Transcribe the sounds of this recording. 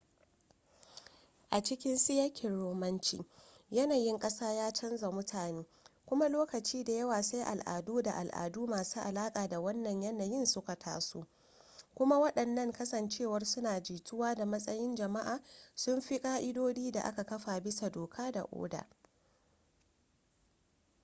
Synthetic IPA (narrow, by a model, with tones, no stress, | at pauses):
ʔa˨t͡ʃɪ˦kʲɪ˦nsɪ˦jɐ˦kʲʰɪ˨ɽoː˨mɐ˦nt͡ʃḭː˦ | jɐ˦naː˨jɪ˦ŋkʼɐ˦saː˦jaː˦t͡ʃɐ˦nza˨mʊ˦tʰaː˨neː˦kʷʊ˦ma˦loː˦kɐ˨t͡ʃiː˦da˨jɐ˦waː˨sa˦jʔa̰˨lʔa̰ː˨duː˦da˨ʔa̰˨lʔa̰ː˨duː˦maː˨suː˦ʔa˨laː˦kʼaː˨da˨wɐ˦nːɐ˨ɲjɐ˦naː˨jɪ˦˨nsʊ˦ka˨tʰa̰ː˦sṵ˦ | kʷʊ˦ma˦wɐ˦ɗɐ˨nːɐ˦ŋkɐ˦sɐ˨nt͡ʃeː˦˨wɐ˦rsʊ˦naː˨d͡ʒiː˨tʊ˦waː˦da˨mɐ˦sʼɐ˦jɪ˦nd͡ʒɐ˨ma˦ʔaː˨sʊ˦mɸi˦kʼaː˦ʔɪ˦doː˦diː˦da˨ʔa̰˦ka˨kɐ˦ɸaː˨bɪ˦sa˨doː˨kʰaː˦da̰˨ʔo̰ː˦da̰ː˨